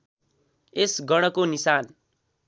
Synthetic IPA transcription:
esɡʌɽ̃ʌkonisan

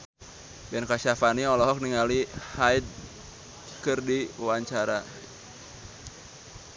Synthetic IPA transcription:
bɛnkaʃafaniɔlɔɦɔk̚niŋalihaid̚ | kɨrdiwaɲt͡ʃaɾa̰

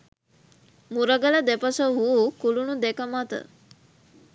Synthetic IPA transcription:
muɾəɡələd̪epəsəɦuukulunud̪ekəmat̪ə̰

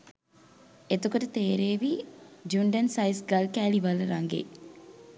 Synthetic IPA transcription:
et̪ukoʈət̪eːɾeːʋid͡ʒuɳɖənsɐjsɡɐlkæːliʋaləɾaŋɡḛ

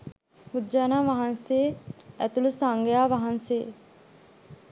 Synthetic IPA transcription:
bud̪d͡ʒaːnaːʋaɦanseːæt̪ulusaŋɡejaːʋaɦanse

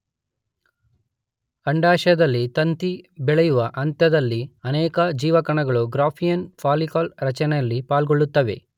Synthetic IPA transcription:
ɐɳɖaːʃɐɐd̪ɐlːit̪ɐnt̪ibɛɭɐjuʋɐʔɐnt̪ɐd̪ɐlːiɐnɛːkɐd͡ʒiːʋɐkɐɳɐɡɐɭuɡɾaːpʰijɐnpʰaːlikaːlɾɐt͡ʃɐnɛjɐlːipaːlɡoɭːut̪ːɐʋe̞̰

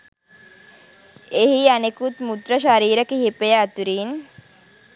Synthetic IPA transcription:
ehianekut̪mud̪ɾəʃaɾiːɾəkiɦipejəːt̪uɾiːn

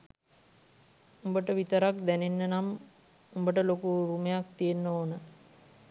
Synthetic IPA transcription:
umbəʈəʋit̪əɾak̚d̪ænenːənam | umbəʈəlokuɾumejakt̪ijenːoːnə

